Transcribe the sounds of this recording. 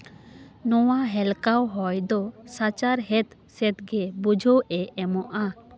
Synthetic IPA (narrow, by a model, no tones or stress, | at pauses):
nɔwaɦɛlkawɦɔjd̪ɔsat͡ʃaɾɦɛt̪sɛt̪̚ɡɛbud͡ʒʱɔʔɛɛmɔʔa